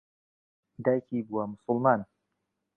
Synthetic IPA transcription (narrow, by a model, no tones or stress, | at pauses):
dajkibuwamʊsʊlman